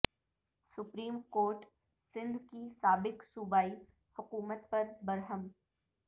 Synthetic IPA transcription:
sʊpɾiːmkoːɾʈ | sɪ̃nd̪ʱkisaːbɪksʊbaːi | hʊkuːmət̪̚pɐɾbɐɾɦəm

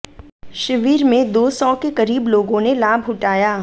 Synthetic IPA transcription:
ʃɪʋiːɾmẽd̪oːsɔːkekɐɾiːbloːɡõnelaːbʱɦʊʈaːjaː

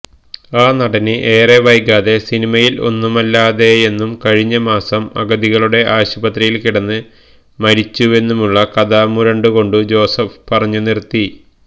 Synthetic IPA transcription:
aːnɐɽɐnɨʔeːreʋɐjkːaːðe̞sinimɐjilo̞̰nːumɐlːaːðe̞enːumkɐɻiɲːɐmaːsɐmɐ̰ɡɐðiɣɐɭuɽe̞ʔaːɕubɐt̪rijilkiɽɐnːɨ | mɐɾit͡ɕːue̞nːumuɭːɐkɐðɐmuɾɐɳɖuɣo̞ɳɖud͡ʑo̞ːsɐfpɐrɐɲːunirt̪ːi

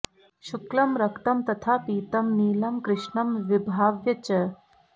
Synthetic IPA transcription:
ʃuklɐmɾɐkt̪ɐmt̪ɐt̪ʰapiːt̪ɐmniːlɐmkɾɪʃɳɐmʋibʱaːʋjɐt͡ʃɐ

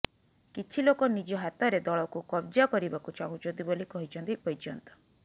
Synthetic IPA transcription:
kit͡ʃʰilokɔnid͡ʒɔɦat̪ɔɾed̪ɔɭɔkukɔbd͡ʒakɔɾibakut͡ʃaɦud͡ʒɔd̪ibolikɔɦit͡ʃʰɔnt̪ipɔit͡ʃɔnt̪ɔ̥

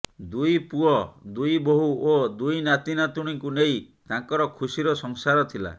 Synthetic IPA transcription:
d̪ujpuɔd̪ujboɦuod̪ujnat̪inat̪uɽ̃iŋkunej | t̪ãŋkɔɾɔkʰusiɾɔsɔŋsaɾɔt̪ʰila̰

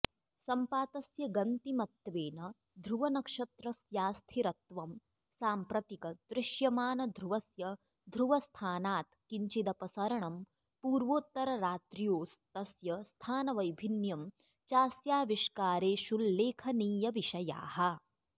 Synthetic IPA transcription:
sɐmpaːt̪ɐsjɐɡɐnt̪imɐt̪ːʋeːnɐ | d̪ʱɾuʋɐnɐkʂɐt̪ɾɐsjaːst̪ʰiɾɐt̪ʋɐm | saːmpɾɐt̪ikɐd̪ɾɪʃjɐmaːnɐd̪ʱɾuʋɐsjɐ | d̪ʱɾuʋɐst̪ʰaːnaːt̪kiɲt͡ʃid̪ɐpɐsɐɾɐɳɐm | puːɾʋoːt̪ːɐɾɐɾaːt̪ɾijoːst̪ɐsjɐst̪ʰaːnɐʋɐjbʱinjɐm | t͡ʃaːsjaːʋiʃkaːɾeːʃulːeːkʰɐniːjɐʋiʃɐja̰ːɦɐ̆

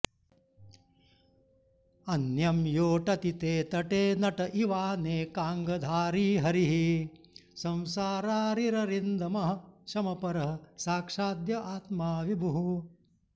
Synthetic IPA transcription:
ɐnjɐmjoːʈɐt̪it̪eːt̪ɐʈeːnɐʈɐʔiʋaːneːkaːŋɡɐd̪ʱaːɾiːɦɐɾiɦi | sɐ̃w̃saːɾaːɾiɾɐɾind̪ɐmɐɦɐʃɐmɐpɐɾɐɦɐ̆saːkʂaːd̪jɐʔaːt̪maːʋibʱuɦu

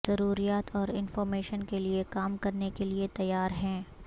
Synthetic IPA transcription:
zɐɾuːɾijaːt̪ʰɔːɾɪnfɔːɾmeːʃənkeliekaːmkɐɾnekeliet̪ɐjːaːɾɦɛ̃ː

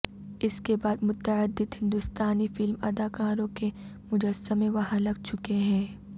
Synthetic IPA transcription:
ɪskebaːd̪mʊt̪ːəəd̪ːɪd̪ɦɪ̃nd̪ʊst̪aːnifɪlmɐ̰d̪aːkaːɾõkemʊd͡ʒəsəmẽʋɐɦãlɐɡ̚t͡ʃʊkeɦɛ̃ː

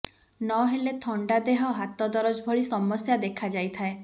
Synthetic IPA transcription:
nɔɦelet̪ʰɔɳɖad̪eɦɔɦat̪ɔd̪ɔɾɔd͡ʒbʱɔɭisɔmɔsjad̪ekʰad͡ʒajt̪ʰae

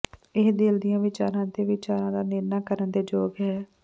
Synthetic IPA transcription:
ɪɦd̪eːld̪ijãːʋɪt͡ʃaːɾãːd̪eːʋɪt͡ʃaːɾãːd̪aːnɪɾnaːkəɾənd̪eːd͡ʒoːɡɦɛː

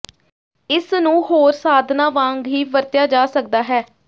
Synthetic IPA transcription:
ɪsnũːhoːɾsaːd̪ʱnaːʋãːŋɡɦiːʋəɾt̪ɪjaːd͡ʒaːsək̚d̪aːɦɛː

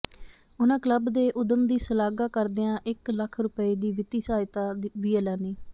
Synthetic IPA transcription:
ʊnãːkləbd̪eːʔʊd̪əmd̪iːsəlaːɡaːkəɾd̪eːãːʔɪkləkʰɾʊpəiːd̪iːʋɪt̪iːsaːjt̪aːʋiːelaːniː

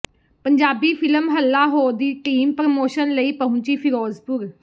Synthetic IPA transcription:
pəɲd͡ʒaːbiːpʰɪləmɦəlːaːɦoːd̪iːʈiːmpɾəmoːʃənləiːpəɦʊ̃t͡ʃiːpʰɪɾɔːzpʊɾ

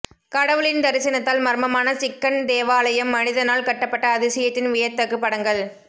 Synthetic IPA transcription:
kɐɽɐʋɯɭɪnd̪ɐɾɪsɐnɐt̪ːaːlmɐɾmɐmaːnɐsɪkːɐnd̪eːʋaːlɐjɐmːɐnɪðɐnaːlkɐʈːɐpːɐʈːɐːðɪsɐjɐt̪ːɪnʋɪjɐɾt̪ːɐkːɯpːɐɽɐŋɡɐɭ

